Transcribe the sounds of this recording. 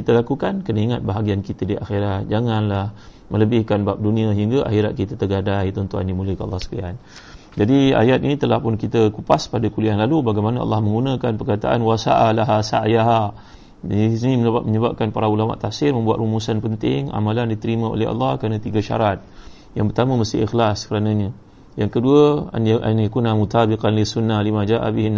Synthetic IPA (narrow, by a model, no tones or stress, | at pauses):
kit̪alakukankənaiŋat̪̚baɦaɡiankit̪adiʔa̰xeɾat̪̚d͡ʒaŋanlah | mə̃ləbɪhkanbap̚dunĩaiŋɡaʔa̰xiɾat̪̚kit̪at̪ərɡadajt̪ɔnt̪ua̰ndimuləkəa̰lːɑhsə̥kia̰n | d͡ʒadia̰jat̪inĩt̪əlahpʊnkit̪akupaspadakulianlalubaɡajmanaɑ̰lːɑhmə̃ŋɡunãkanpərkat̪a̰ʔanwasa̰ʔalaɦasa̰ʔajaɦa | snĩməɲəbaməɲəbap̚kanpaɾaulama̰ʔt̪afsɪrmə̃mbuat̪rumusanpənt̪ɪŋa̰malandit̪əɾimão̰lɛhɑ̰lːɑhkəɾanat̪iɡaʃa̰ɾat̪̚ | jaŋpərt̪amə̃məsɪixlaskəɾanãɲə̃ | jaŋkəduə̰nʔa̰njakunamut̪abiqanlisunːalimãd͡ʒaʔa̰bihin